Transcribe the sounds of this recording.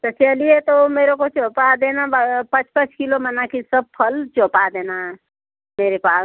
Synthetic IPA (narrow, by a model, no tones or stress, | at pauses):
t̪əsiəliet̪omeːɾokot͡ʃoːpad̪enabəpə̃t͡ʃpət͡ʃkilomənakisəb̚pʰəlt͡ʃoːpad̪eːna | meːɾepaː